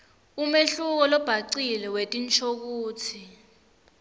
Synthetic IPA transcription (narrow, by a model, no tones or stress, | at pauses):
umeɬuk̬ɔlɔb̥ʱaǀilɛwetʼint͡ʃʰʼok̬uːt͡sʰi